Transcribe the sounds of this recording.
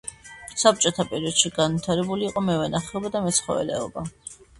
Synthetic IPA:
sap̚t͡ʃʼɔt̪ʰapʼɛɾiɔd̪̥ʃiɡanvit̪ʰaɾɛbuliːqʼɔmɛvɛnaχɛɔbad̪amɛt̪sχɔ̰vɛ̰lɛ̰ɔba

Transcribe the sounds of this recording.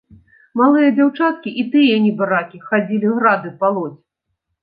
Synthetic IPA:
malˠɨjɐd͡zʲawt͡ʂat̪̚kʲiʔit̪ɨjɐnʲibaɾakʲixad͡zʲilʲiɣɾad̪ɨpalˠɔt͡sʲ

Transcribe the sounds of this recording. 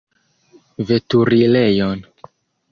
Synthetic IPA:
ve̞tuɾile̞jon

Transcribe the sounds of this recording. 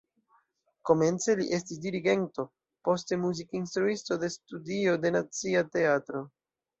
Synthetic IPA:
ko̞me̞nt͡se̞liʔe̞stis̬diɾiɡe̞nto̞ | po̞ste̞muzikinst̪ɾuisto̞de̞studio̞de̞nat͡siate̞atɾo̞

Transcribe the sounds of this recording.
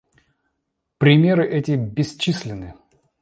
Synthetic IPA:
pɾʲɪmʲe̞ɾɨʔɛtʲɪbʲɪsʲt͡ɕisʲlʲɪnɨ

